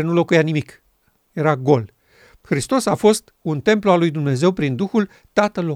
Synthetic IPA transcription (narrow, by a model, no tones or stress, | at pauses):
enulo̞kujanimik | je̞ɾaɡo̞l | xɾist̪o̞safo̞st̪unt̪e̞mploalujd̪umne̞ze̞wpɾind̪uxul | t̪at̪əlːo